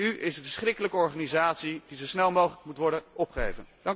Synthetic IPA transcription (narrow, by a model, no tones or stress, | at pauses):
yʔɪsənvəsχrɪkələkəɔɹχaːnizaːtsidizowsnɛlˠmowχələkmutʋɔɹdənɔpχəejvənd̥ɑŋ